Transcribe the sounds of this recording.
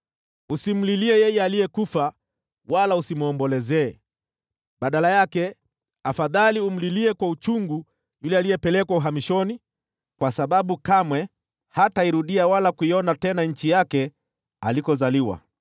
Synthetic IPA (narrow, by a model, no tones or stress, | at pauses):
usim̩liliɛjɛjɛalijɛkufa | walausimuɔmbɔlɛzɛː | ɓaɗalajakɛ | afaðalium̩liliɛkwaut͡ʃuŋɡu | julɛalijɛpɛlɛkwauɦamiʃɔni | kwasaɓaɓukamwɛ | hataiɾuɗiawalakuiɔnatɛnaɲ̩t͡ʃijakɛ | alikɔzaliwa̰